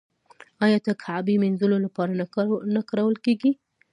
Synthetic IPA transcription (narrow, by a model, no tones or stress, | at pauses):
ɑjɑt̪akʰaʕbimɪnzʊlolapɑɾanakaɾawəlkeɡi